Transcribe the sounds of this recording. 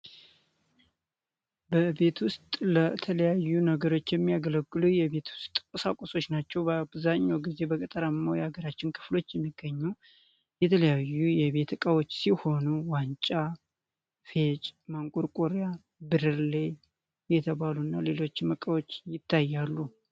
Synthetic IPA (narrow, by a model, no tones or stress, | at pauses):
bəbe̞t̪wʊst̪ʼlət̪ʰələjajːunəɡəɾo̞t͡ʃːjɛmːijaɡələɡːɨlujɛβe̞t̪wʊst̪ʼkʼəsakʼoso̞t͡ʃːnat͡ʃːɛwbəabzaɲːawɡize̞bəkʼət̪ʼəɾamawjaɡəɾat͡ʃːɪnkʰɨ̥flo̞t͡ʃːjɛmːiɡ̥ːəɲːu | jɛt̪ʰələjajːujɛβe̞t̪ʰkʼəwo̞t͡ʃːsiho̞nuwant͡ʃʼa | fe̞t͡ʃʼmaŋkʼuɾkʼoɾja | bɨɾɨɾle | jɛt̪ʰəβalunːale̞lo̞t͡ʃːməkʼəwo̞t͡ʃːjɪt̪ʰːajːalːu